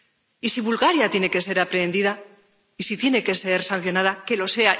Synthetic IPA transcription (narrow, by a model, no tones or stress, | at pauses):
isiβulɣaɾjat̪je̞ne̞ke̞se̞ɾapɾe̞nd̪iða | isit̪je̞ne̞ke̞se̞ɾsan̟θjo̞nað̞ake̞lo̞se̞a